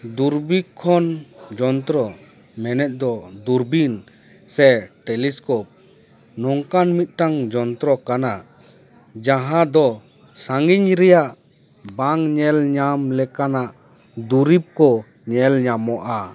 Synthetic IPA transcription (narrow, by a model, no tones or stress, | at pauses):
d̪uɾbikʰɔnd͡ʒɔnt̪ɾɔ | mɛnɛt̪̚ˀd̪ɔd̪uɾbin | sɛʈɛliskɔp̚ | nɔŋkanmit̪̚ˀʈaŋd͡ʒɔnt̪ɾɔkana | d͡ʒaɦãd̪ɔ | saŋɡiɲɾɛjaʔ | baŋɲɛlɲamlɛkanaʔ | d̪uɾip̚kɔ | ɲɛlɲamɔʔa